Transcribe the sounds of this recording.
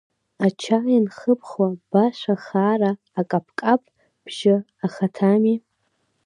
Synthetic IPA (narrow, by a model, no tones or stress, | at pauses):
at͡ʃʰajinχəpʰχwab̥aʃʷaχaːraːkʼapʰkʼapʼ | b̥ʒ̥ɪ | aχatʰami